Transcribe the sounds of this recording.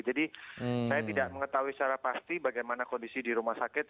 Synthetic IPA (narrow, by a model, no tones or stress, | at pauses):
d͡ʒadisajat̪idaʔməŋət̪aɦuisaɾapast̪ibaɡajmanakɔndisidiɾumahsakɪt̪̚